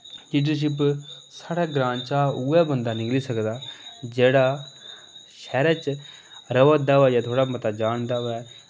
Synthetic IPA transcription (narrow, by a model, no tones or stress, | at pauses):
kiːɖəʃ̬ɪp̬saːɽaːɡɾãːnt͡ʃaːuːɛːbənd̪aːnɪkliːsəkd̪aːd͡ʒeːɽaː | ʃɛːɾɛːt͡ʃ | ɾəʋəd̪aːʋɛːjaːt̪ʰoːɽaːmət̪aːd͡ʒaːɳd̪aːʋɛː